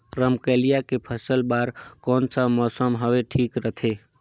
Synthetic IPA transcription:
ɾəmkəlijakepʰəsəlbaɾkɔːnsəmɔsəmɦəweʈʰikɾət̪ʰe

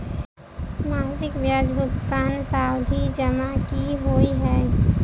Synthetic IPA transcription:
maːsɪkbjaːd͡ʒbʱʊkkaːnsaːwd̪ʱid͡ʒəmakiɦoːiɦɛː

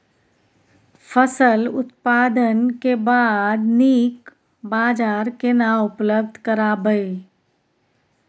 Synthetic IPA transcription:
fʰəsəlʊ̰t̪paːd̪ənkebaːd̪niːk | baːd͡ʒaːɾkenaʊpləb̚d̪ʱkəɾabəi

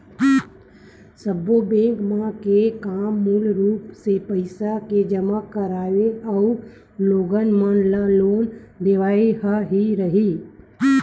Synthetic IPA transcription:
səbobẽːkmãkekaːmːulɾuːpsepəɪsaked͡ʒəmakəɾaːʋeəu | loːɡənmənlloːnd̪eːʋaːiɦaɦiɾəɦiː

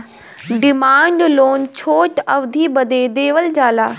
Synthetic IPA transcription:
ɖɪmaːɳɖloːnt͡ɕʰoːʈɐʋd̪ʱibɐd̪ʱed̪eːʋəld͡ʑaːlaː

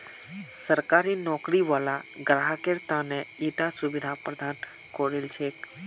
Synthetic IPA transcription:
səɾkaɾinɔkɾiʋalaɡɾaɦəkeɾt̪aneiʈasuʋid̪ʱapɾəd̪ʱan | koɽilt͡ʃʰek

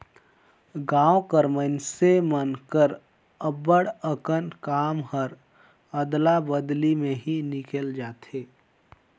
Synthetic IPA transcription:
ɡãːwkəɾmənsemənkəɾ | əbəɽəkənkaːmɦəɾ | əd̪labəd̪limẽɦinɪkeːld͡ʒaːt̪eː

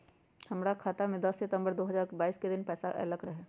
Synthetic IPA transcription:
hɐmɾakʰaːt̪amẽd̪ɐsːɪt̪ə̃mbəɾd̪oːɦɐzaːɾbaːiːsked̪ɪnpɛːsaʔɛ̰ləkɾəɦɛː

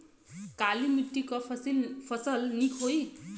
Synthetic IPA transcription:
kalimiʈːikʌilpʰʌsʌlnikʰoj

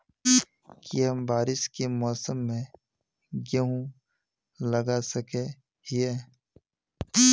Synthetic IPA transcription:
kiɦɐmbaːɾɪʃkemɔːsəmːẽ | ɡeɦũ | lɐɡasəke | hie

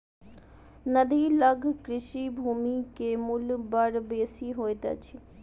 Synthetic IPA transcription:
nɐd̪ʱiːlɐɡʱkɾɪʃibʱuːmikeːmʊlbɐɽbeːsiɦoːet̪ɐ̰t͡ɕʰi

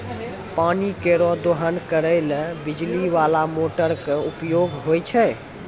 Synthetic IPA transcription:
panikeɾɔd̪oɦənkəɾəɪlbid͡ʒliʋalamoʈəɾkeupjoɡɦojt͡ʃʰɛ

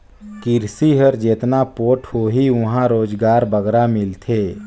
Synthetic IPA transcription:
kɪɾsiɦəɾd͡ʒeːt̪napoːʈʰhoɦiʋʊɦãɾoːd͡ʒɡaːɾbəɡɾamɪlt̪ʰeː

